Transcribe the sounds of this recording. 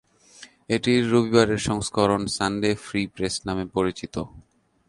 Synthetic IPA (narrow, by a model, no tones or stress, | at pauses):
eʈiɾːobibaɾeɾʃɔŋskʰoɾonsanɖefɾipɾesnamepoɾit͡ɕit̪o